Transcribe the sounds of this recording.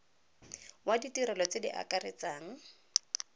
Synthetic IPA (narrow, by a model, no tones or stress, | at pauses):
waditiɾɛlɔt͡sedḭʔa̰karɪt͡saːŋ̩